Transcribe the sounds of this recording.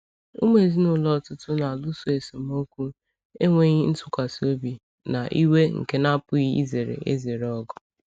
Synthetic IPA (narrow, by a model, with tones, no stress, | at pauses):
ʊ˦me˨zi˦nʊ˦lɔ˦˨tʊ˦tʊ˦na˨lʊ˦so˦e˨so˨m˦o˦kʷu˦ | e˦ŋʷe˦ɲi˦n̩˦tʊ̥˨kʷa˨si˨o˦bi˨ | na˨ʔi˦we˦ŋ̩̰˨ke˦na˦pʊ˦ɣi˦ḭ˦ze˨ɾḛ˨ʔḛ˦ze˨ɾɔ˦ɡʊ˨